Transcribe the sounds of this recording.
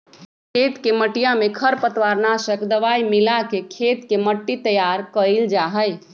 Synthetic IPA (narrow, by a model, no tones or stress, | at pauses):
kʰet̪keməʈijãmẽkʰəɾpət̪ʋaɾnasəkd̪əʋaimɪlakekʰeːt̪keməʈːit̪əjaɾkəild͡ʒaɦəj